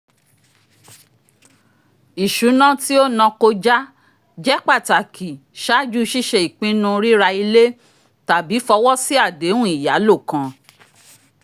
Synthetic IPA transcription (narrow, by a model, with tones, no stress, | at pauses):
i˨ʃu˨˦nã˦ti˦o˦nã˧ko˧d͡ʒa˦ | d͡ʒɛ˦k͡pa˦˨ta˨kʰi˨ʃa˦d͡ʒu˦ʃi˦ʃe˧i˨k͡pĩ˦nũ˧ɾi˦ɾa˧i˧le˦ | ta˨bi˨˦fɔ˧wɔ˦si˦a˦˨de˨˦wũ˦i˨ja˨˦lo˦˨kã˧